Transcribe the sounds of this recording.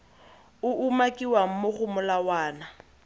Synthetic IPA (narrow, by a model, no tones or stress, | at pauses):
ʊʔumakʼiwaŋ̩moχʊmʊlawaːna